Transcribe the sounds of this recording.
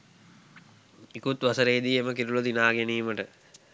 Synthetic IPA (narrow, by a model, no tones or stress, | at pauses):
ikut̪ʋɐsəɾejːd̪iːeməkiɾulɐd̪inaːɡeniːməʈə